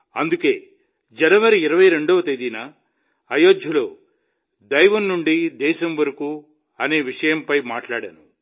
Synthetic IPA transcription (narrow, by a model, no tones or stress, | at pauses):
ɐnd̪uke̞ː | d͡ʒɐnɐʋɐɾiːɾɐʋɐjɾe̞ɳɖoːt̪ed̪inɐː | joːd̪ʱjɐlo̞ː | d̪ɐjʋɐnːuɳɖid̪ɛːʃɐmʋɐɾɐkuː | ɐne̞ːʋiʂɐjɐmpɐjmaːʈlaːɽɐnu